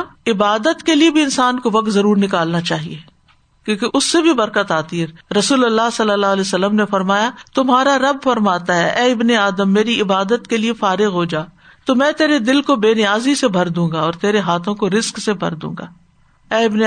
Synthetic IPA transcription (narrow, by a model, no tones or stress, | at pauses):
ɪbaːd̪ət̪keliebʱiɪnsaːnkoʋɐk̚t̪zɐɾuːɾnɪkaːlnat͡ʃaːɦḭeː | kjõːkeʔʊsːebʱibɐɾkət̪aːt̪iɦɛɾɐsuːlɐlːasɐlːəlːaːɦlɛːsɐlːəmnefɐɾmaːjat̪ʊmɦaːɾaɾɐbfɐɾmaːt̪aɦɛʔɛːɪbneaːd̪əmːeːɾiɪbaːd̪ət̪keliefaːɾɪɣɦod͡ʒaː | t̪omɛ̃ːt̪eːɾed̪ɪlkobeːnɪjaːzisebʱɐɾd̪ũːɡaɔːɾt̪eːɾeɦaːt̪ʰõkoɾɪsksebʱɐ̰ɾd̪ṵ̃ːŋɡaː | ɛːɪbne